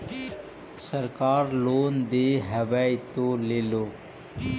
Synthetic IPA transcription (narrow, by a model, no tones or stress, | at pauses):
səɾkaːɾloːnd̪eːɦəʋait̪oːleːloː